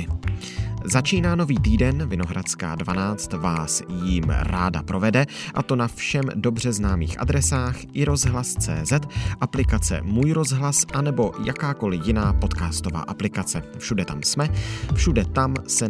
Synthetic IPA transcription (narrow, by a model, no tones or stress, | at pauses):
zat͡ʃiːnaːno̞viːt̪iːdɛnvɪno̞ɦɾʔat͡ska̰ːdvanaːt͡st̪vaːsjimɾaːda̰pɾʔo̞vɛdɛ | ʔat̪o̞nafʃɛmdo̞br̝ɛznaːmḭːxʔa̰d̪ɾɛsaːxʔɪɾo̞zɦlast͡sɛ̰ːzɛt̪ʔaplɪkat͡sɛ̰muːjɾo̞zɦlasʔanɛbo̞jakaːko̞lɪjɪnaːpo̞t̪kaːst̪o̞va̰ːʔaplɪkat͡sɛfʃudɛt̪amsmɛfʃudɛt̪amsɛ